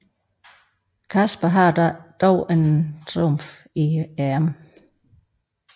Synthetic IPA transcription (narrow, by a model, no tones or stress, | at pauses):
kʰæsb̥ɐɦɑd̥ɑd̥ɒʊʔent͡sʰʁomf | iæɐm